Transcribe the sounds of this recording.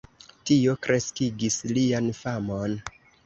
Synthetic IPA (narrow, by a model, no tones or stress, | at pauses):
tio̞kɾe̞skiɡislianfamo̞n